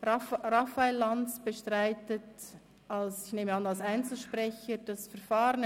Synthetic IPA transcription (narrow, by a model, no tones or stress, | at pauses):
rɑfaelːɑnsb̥əʃtʁaɪtət | ɑlsɪçneːməɑnɑlsaɪnt͡sl̩ˠʃpʁɛçəd̥ɑsfəɾfaːɾən